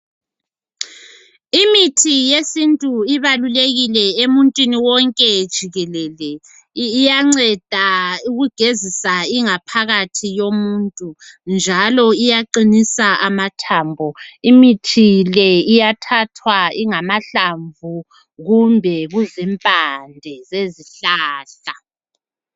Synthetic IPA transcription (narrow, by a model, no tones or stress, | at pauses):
imitʰijesintʼuiβaluleɣilɛemuntʼwiniwɔŋkʼɛd̥ʒ̥ʱiɣɛlɛːlɛː | jaŋ͡ǀɛd̥ʱauɣuɡ̥ʱezisaiŋapʰaɣatʰijomuntʼund͡ʒʱalɔijaǃinisaʔamatʰambʱɔimitʰilɛijatʰatʰwaiŋamaɬaɱvu | ɣumbʱɛɣuzɛmpʼandʱɛzeziɬaːɬa